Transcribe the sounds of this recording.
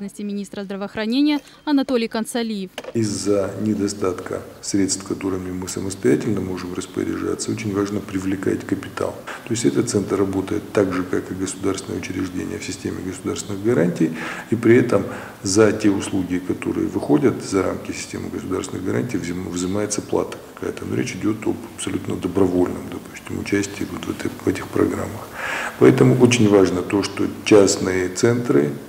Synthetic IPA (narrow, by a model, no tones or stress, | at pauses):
nəsʲtʲɪmʲɪnʲist̪ɾəzd̪ɾəvəːxɾɐnʲenʲɪjə | ɐnɐt̪olʲɪjkənt̪sɐlʲijɪfizːənʲɪd̪ɐst̪at̪kə̰sɾʲet̪st̪kɐt̪o̞ɾɨmʲɪmɨsəməst̪ɐjætʲɪlʲnəmo̞ʐɨmrəspə̰ɾʲɪ̰ʐa̰t̪səo̞t͡ɕɪnʲvaʐnəpɾʲɪvlʲɪka̰tʲkəpʲɪt̪a̰lˠt̪o̞ɪsʲtʲɛt̪ət̪t̪sɛnt̪rːɐbo̞t̪əjɪt̪ːaɡʐɨkakɨɡəsʊd̪aɾrsʲɪnəjəʊt͡ɕɪɾʲɪʐdʲḛnʲɪjəfsʲɪsʲtʲemʲɪ̰ɡəsʊd̪arsvɪnɨɣɡɐɾanʲtʲijipɾʲɪɛt̪əm | zɐtʲeʊslˠuɡʲɪkɐt̪o̞̰ɾɨ̰jə̰vɨxo̞dʲət̪zɐɾa̰mkʲɪsʲɪ̥sʲtʲemɨɡəsʊd̪arsʲɪnɨɣɡɐɾanʲtʲijvvzɨmajɪt̪səplˠa̰t̪ə̥kɐ̥kajət̪əno̞ɾʲet͡ɕɪdʲo̞t̪o̰bɐpsɐlʲut̪nəd̪əbɾɐvo̞lʲnɨmd̪ɐpu̥sʲtʲɪmʊt͡ɕæsʲtʲɪːvot̪vɛt̪vɛtʲɪxpɾɐ̰ɡɾa̰mːəxpɐɛt̪əmʊʔot͡ɕɪnʲvaʐnət̪o̞ʂt̪o̞t͡ɕasnɨjət̪sɛnt̪ɾɨ